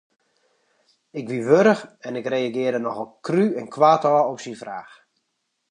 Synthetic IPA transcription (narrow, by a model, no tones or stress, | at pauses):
ɪkʋiʋøɾəxɛnɪkrejaɡɪərdənɔɣɛlˠkryɛnkʰʋaːtɔɔpsivra̰ːx